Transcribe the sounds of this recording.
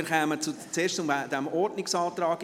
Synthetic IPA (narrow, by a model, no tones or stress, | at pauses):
χɛːmət͡sut͡seːɾʃʊmd̪ɛmɔɾdnɪksɑːt̪ɾɑːɡ